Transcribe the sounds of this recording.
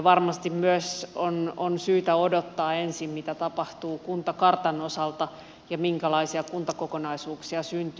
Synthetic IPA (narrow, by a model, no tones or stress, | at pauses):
ʋɑrmɑst̪immyøsononsyːt̪æodot̪ːɑːensimmit̪æt̪ɑpɑht̪uːkunt̪ɑkɑrt̪ɑnosɑlt̪ɑ | jɑmiŋkælɑisiɑkunt̪ɑkokonɑisuːksiɑsynt̪y